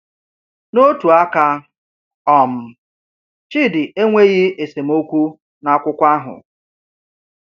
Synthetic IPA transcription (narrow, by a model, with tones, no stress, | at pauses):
no˦tu˨a˦ka˦ | ɔ˨m̩˨ | t͡ʃɪ˦˨dɪ˨e˦ŋʷe˦ɣɪ˦e˨se˨m̩˦o˦kʷu˦ | na˦kʷʊ˦kʷa˦ɦʊ̰˨